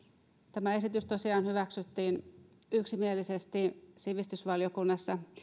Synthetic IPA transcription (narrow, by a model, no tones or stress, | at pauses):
t̪æmæe̞sit̪yst̪osiɑːnhyʋæksyt̪ːiːn | yksimielise̞st̪isiʋist̪ysʋɑljokunːɑsːɑ